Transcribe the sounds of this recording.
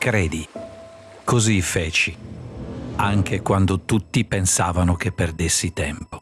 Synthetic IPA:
kɾɛːd̪i | kozifɛːt͡ʃi | aŋkekwand̪ot̪ut̪ːipensaːvanok̟epːerd̪esːit̪ɛmpo̥

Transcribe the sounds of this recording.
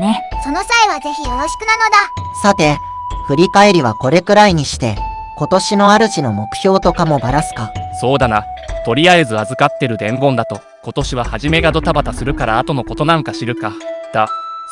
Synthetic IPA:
neso̞no̞saeβ̞aze̞çijoɾo̞ɕi̥kɯ̟nano̞d̪asat̪e̞ | ɸɯ̟ɾʲikae̞ɾʲiβako̞ɾe̞kɯ̟ɾaiɲ̟iɕi̥t̪e̞ | ko̞t̪o̞ɕino̞aɾɯ̟ɕino̞mo̞kɯ̟̥çʲo̞ːt̪o̞kamo̞baɾasɨ̥kaso̞ːd̪ana | t̪o̞ɾʲiaezɨazɨkat̪ːe̞ɾɯ̟d̪ẽ̞mɡõ̞nd̪at̪o̞ | ko̞t̪o̞ɕiβahaʑime̞ɡad̪o̞t̪abat̪asɨɾɯ̟kaɾaːt̪o̞no̞ko̞t̪o̞nãŋkaɕiɾɯ̟kad̪̥a

